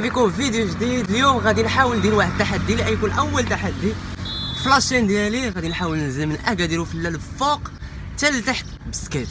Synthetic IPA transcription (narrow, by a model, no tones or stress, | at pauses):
bikuvid̪juʒd̪id̪ljumɣæd̪inħawəld̪ilwaħəd̪̚t̪ːaħad̪ːiliʔæjkunʔæwːəlt̪aħad̪ːiflɑʃind̪jæliɣæd̪inħawəlnəzəmənʔæɡæd̪iɾufəlːælfoq | t̪ælit̪aħt̪bəskæt̪